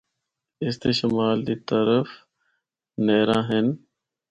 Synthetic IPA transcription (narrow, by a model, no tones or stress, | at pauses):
ɪst̪eːʃəmaːld̪iːt̪əɾəf | neːɾãːɦɪn